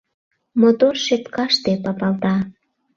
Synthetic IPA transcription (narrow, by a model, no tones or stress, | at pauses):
mot̪orʃet̪kɑʃt̪epɑpɑlt̪ɑ